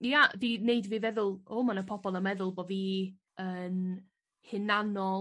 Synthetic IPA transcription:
jadineɨdviːvɛðʊlˠoːmanəpʰɔb̥ɔlˠəmɛðʊlˠboviː | əːn | hɪnanɔ

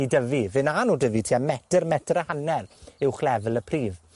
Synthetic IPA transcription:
idəvivɪnanuːdəvitʰiːamɛdərmɛdɾəhanɛlɪwχlɛvəlˠəpʰriːv

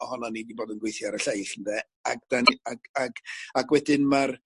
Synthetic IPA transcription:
ɔhɔnanidiboːdənɡwejθjaaɾəɬajχəndɛ | a̰ɡ̚d̥anaɡaɡaɡwɛdɪnmar

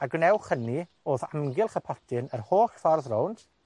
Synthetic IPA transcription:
aɡnɛwχəni | oːθa̰mɡɪlˠχəpʰɔtʰɪnərhoːɬfɔrðrownd̥

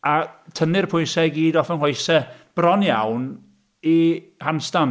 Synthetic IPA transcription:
atʰənɪrpʰʊjnsɛɡiːdɔfənhlojsɛb̥rɔnjawn | i | hanstan

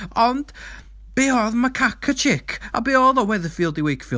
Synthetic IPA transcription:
ɔnd̥ | b̥eːɔðmakʰakʰət͡ʃʰɪkʰa̰beːɔːðɔwɛðəfiːlˠdɪwejkfiː

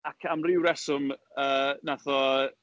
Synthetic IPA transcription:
akʰamrɪwɾɛsʊməːnaθɔ

